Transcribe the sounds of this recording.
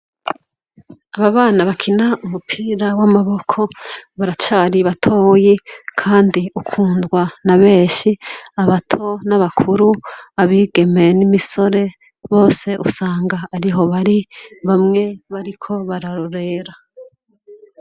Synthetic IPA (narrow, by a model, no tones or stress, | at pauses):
aβaβaːnaβakʰinaʔumupʰiːɾawamaβo̞kʰo̞βaɾat͡ʃaːɾiβatʰo̞ːjikʰaːndiukʰuːndɡwanaβe̞ːʃiaβatʰo̞naβakʰuɾuaβiːɡe̞menimiso̞ɾe̞ | βo̞ːse̞ʔusaːŋɡaːɾiɦo̞βaɾiβamŋe̞βaɾikʰo̞βaɾaɾoɾe̞ɾa